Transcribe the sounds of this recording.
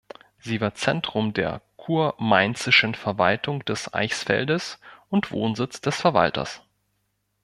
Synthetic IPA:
z̥iːvaːɐt͡sɛntʁ̥ʊmdḛːɐkʰuːɐmaɪnt͡sɪʃən̩fɛɐva̰ltʰʊŋd̥ɛsʔa̰ɪçsfɛ̰ldəsʔʊntv̥o̰ːnzɪt͡sd̥ɛsfɛɐva̰ltɐ̰s

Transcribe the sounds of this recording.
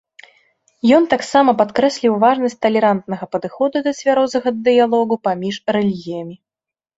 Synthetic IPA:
jɔnt̪aksamɐpat̪kɾɛsʲlʲiwvaʐnɐsʲtʲt͡sʲt̪ɐlʲɛɾant̪nɐɣɐpɐd̪ɨxɔd̪ud̪ɐsʲvʲaɾɔzɐɣɐd̪ɨjalˠɔɣupamʲiʂrɛlʲiɣʲijɐmʲi

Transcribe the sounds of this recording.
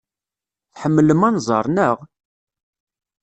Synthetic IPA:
θħəmːələmænzˤɑɾˤnəʁ

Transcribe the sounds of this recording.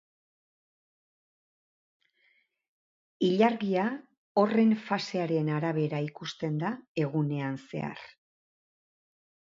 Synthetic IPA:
iʎaɾɣia | o̞re̞ɱfase̞aɾe̞naɾaβe̞ɾaikust̪e̞nd̪ae̞ɣune̞anse̞̰a̰r

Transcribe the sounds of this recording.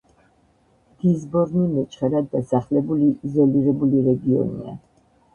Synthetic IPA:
d̪̥izbɔɾnunɛt͡ʃʼχɛɾad̪ːasaχlɛbulizɛliɾɛbuliɾɛɡiɔ̰nḭa̰

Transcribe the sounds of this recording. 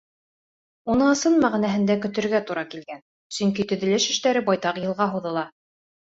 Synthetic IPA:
unɤɤ̆sɤnmæʁinæɦɘ̆nd̪ækɵ̆t̪ɘ̆ɾɡæt̪uɾɑkilɡæn | sɵ̆ŋkit̪ɵ̆ðɘ̆lɘʃɘ̆ʃt̪æɾɘbɑjt̪ɑqjɤ̆lˠʁɑɦuðɤ̆lˠɑ

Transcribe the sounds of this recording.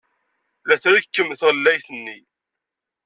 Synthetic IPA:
ðæθɾikːəmːəθʁəlːæjθənːi

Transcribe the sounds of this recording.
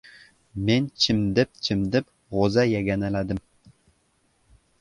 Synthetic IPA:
mʲenʲt͡ɕʰɘ̆md̪ɘ̆p̚t͡ɕʰɘ̆md̪ɘ̆p | ʁozɑjæɡʲænælʲæd̪ɘ̆m

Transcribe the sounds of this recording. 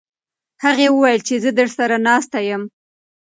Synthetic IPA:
haɣewəwajəlt͡ʃezəd̪əʐsaɾanɑst̪ajəm

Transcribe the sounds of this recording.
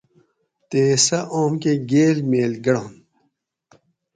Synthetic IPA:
t̪eːsɐʔoːmkeɡeːɾmeːlɡɐɽõːn

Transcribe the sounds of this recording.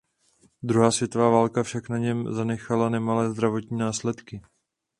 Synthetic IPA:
d̪ɾuɦaːsvjɛt̪ovaːvaːlkafʃaknaɲɛmzanɛxalanɛmalɛːzd̪ɾavo̞t̪ɲiːnaːslɛt̪kɪ

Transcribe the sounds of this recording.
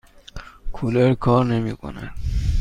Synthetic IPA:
kʰuleɾkʰɔːɾnemiːkʰo̰nḛ

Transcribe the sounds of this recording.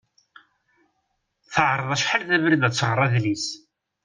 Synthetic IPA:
θəʕɾˤəðˤæʃħəlθævɾd̪æt͡sːəʁərˤːæðlis

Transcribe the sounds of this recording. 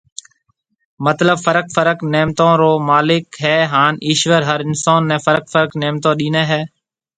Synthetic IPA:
mət̪ləbfəɾəkfəɾəkneːmt̪õːɾoːmaːlɪkɦɛːɦaːniːʃʋəɾɦəɾɪnsaːnːɛ̃ːfəɾək̚fəɾkneːmt̪õːɗiːneːɦɛː

